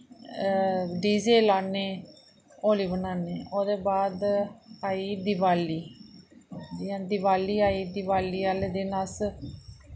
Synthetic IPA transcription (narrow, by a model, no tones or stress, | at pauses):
ɖiːzeːlaːneː | oːliːbənaːneːoːd̪eːbaːd̪aːiːd̪ɪʋaːliː | dãːd̪ɪʋaːliːaːiːd̪ɪʋaːliːaːleːd̪eːnas